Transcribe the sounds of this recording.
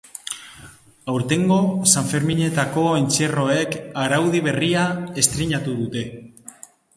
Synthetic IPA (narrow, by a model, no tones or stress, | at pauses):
awɾt̪e̞ŋɡo̞saɱfe̞ɾmiɲe̞t̪ako̞ent͡se̞ro̞e̞kaɾawðiβ̞e̞riae̞st̪ɾiɲat̪uð̞ut̪e̞